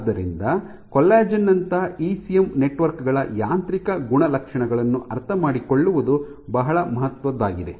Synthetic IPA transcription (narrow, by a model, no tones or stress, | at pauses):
d̪ːɐɾḭnd̪ɐ | kɔlːaːd͡ʒɐnːɐnt̪ɐiːsijemneʈʋɐɾkɡɐɭɐjaːnt̪ɾikɐɡuɳɐlɐkʂɐɳɐɡɐɭɐnːuʔɐɾt̪ʰɐmaːɽiko̞ɭːuʋud̪u | bɐɦɐɭɐmɐɦɐt̪ʋɐd̪ːaːɡid̪e̞